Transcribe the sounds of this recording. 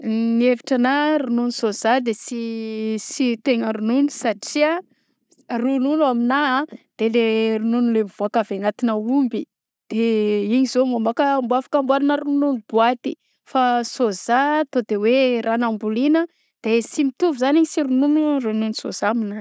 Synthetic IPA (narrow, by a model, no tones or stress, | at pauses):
nieviʈ͡ʂanaɾununisozad̪esisit̪eŋəɾununisaʈ͡ʂia | rununuaminad̪̥eleɾununulev̥oakaveŋat̪inəumbi | d̪̥eiɲizomomakəːmbuafḁkambananəɾununub̥uat̪i | fasozat̪od̪̥ewerʔanambulinə | d̪̥esimit̪uvizaniɲisiɾununurununisoz̥amina